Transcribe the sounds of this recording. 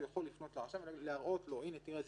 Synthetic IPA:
jaχo̞lːifno̞t̪laʕaʃavleaʁʔo̞t̪lo̞inet̪iʁez

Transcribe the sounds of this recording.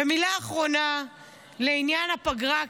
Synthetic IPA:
emilaːχʁo̞na | leinjanhapaɡʁa

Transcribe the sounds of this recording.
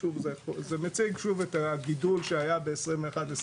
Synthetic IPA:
uvzezemet͡siɡʃuvet̪aɡidulʃeajabe̞ːsʁimveːχad̪es

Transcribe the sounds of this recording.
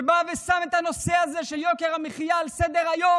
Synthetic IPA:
bavesamet̪ano̞seazeʃeljo̞keʁameχijaːlsed̪eʁajo

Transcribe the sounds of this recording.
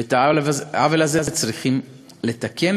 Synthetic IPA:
et̪avavelazezet͡sʁiχim | le̞t̪akʰe̞n

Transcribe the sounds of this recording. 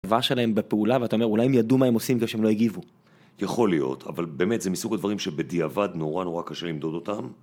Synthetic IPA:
vaʃe̞laɦe̞mbepeulaveat̪aome̞ʁulajemjadumaemo̞simkefʃeemlojeɡivu | jaχo̞lijo̞̰tʰa̰valbeːme̞t̪zemisuɡad̪vaʁimʃebed̪iavad̪no̞ʁano̞ʁakaʃelimd̪o̞d̪o̞tam

